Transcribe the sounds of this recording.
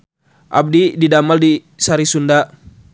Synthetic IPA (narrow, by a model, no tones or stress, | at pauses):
ʔa̰b̚dididamaldi | saɾisunda